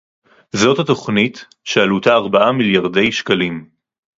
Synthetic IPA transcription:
zo̞thato̞χnit | ʃealutaːʁbaʔamiljaʁde̞jʃkalim

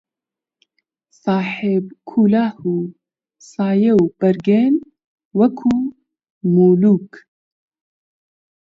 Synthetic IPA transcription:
sɑːħeb̚kʰuːlaːhuː | sɑːjewb̥ɐɾɡen | wɐkʰuː | moːluːk

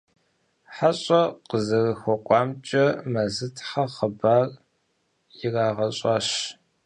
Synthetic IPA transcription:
ħaɕʼɐqəzɐrɨxʷɔqʷʼɑːmt͡ʃʼɐmɐzɨtʰħɐχəbaːr | jɪraːʁɐɕʼɐɕ

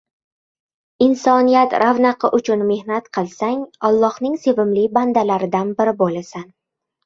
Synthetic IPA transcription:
ɪnsɒnijat̪ɾʔavnaqʰɨʔʊt͡ʃʰʊnme̞hnat̪qʰɨlˠsaŋɒlˠːɒhnɪŋse̞vɪmlɪband̪alaɾɪd̪anbɪɾɪbolasan

